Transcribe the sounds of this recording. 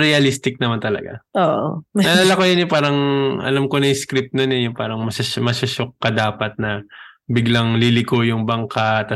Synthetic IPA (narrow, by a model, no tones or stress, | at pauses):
ɾɛɐlist̪ɪk̚nɐmant̪ɐlɐ̰ɡa̰ʔoːʔo̰nɐlalɐkojɐnjʊpaːɾɐŋʔɐ̰lamkonɐjskɾɪp̪̚nonɛjʊŋpaːɾɐŋmɐsɐmɐsɐʃokːɐd̪aːpɐt̪̚nɐbɪɡlɐŋlilɪkojʊŋbɐŋkat̪ɐ